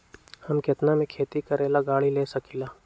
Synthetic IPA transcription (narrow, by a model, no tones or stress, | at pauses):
hɐmkɪt̪namẽkʰeːt̪ikɐɾeːlaɡaːɭileːsɐkilaː